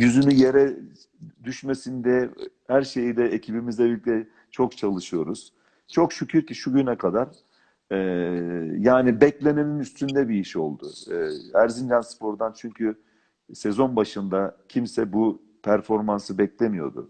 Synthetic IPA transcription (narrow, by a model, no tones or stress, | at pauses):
jyzynyje̞ɾɛ | d̪yʃmesind̪ɛ | hæɾʃe̞jid̪ɛecʰibimizɛbilʲic̚t̪ʰɛ | t͡ʃʰo̞kt͡ʃʰalˠɯʃɯjo̞ɾuz̥ | t͡ʃʰo̞kʃycʰyɾciʃuɟynɛkʰad̪aɾ̥ | ɛːjaːnibɛclʲe̞neminyst̪ʰynd̪ɛbiiʃo̞̰lˠd̪ʊ̰æɾzind͡ʒanspʰo̞ɾd̪ant͡ʃʰyɲcʰy | sɛzo̞nbaʃɯnd̪acʰimsɛbu | pʰæɾfo̞ɾmansɯbɛclʲemijo̰d̪ʊ̰